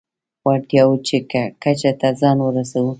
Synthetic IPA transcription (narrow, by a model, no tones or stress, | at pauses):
waɾt̪jawʊt͡ʃɪkakat͡ʃat̪azɑnwʊɾasawu